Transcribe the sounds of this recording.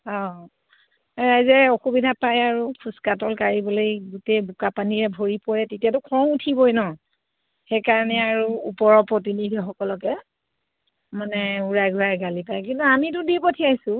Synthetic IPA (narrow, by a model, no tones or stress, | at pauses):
ɔ | ɹajzɛoxubidʱapajaɹukʰuskatɔlkaɹibɔlojɡutejbukapaniɹɛbʱoɹipɔɹɛtetijatʊkʰɔmutʰibɔjnɔ | xejkaɹnɛaɹṵːpɔɹɔpɹɔt̬inidʱixɔkɔlɔkɛ | manɛuɹajɡʱuɹajɡalipajkintuamit̬ʊdipotʰiajsʊ